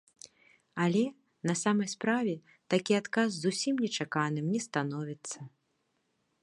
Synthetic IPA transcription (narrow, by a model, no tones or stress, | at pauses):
alʲɛ | nɐsamɐjspɾavʲɛ | t̪akʲiat̪kazzusʲimnʲɛt͡ʂakanɨmnʲɛst̪anɔvʲit̪sːɐ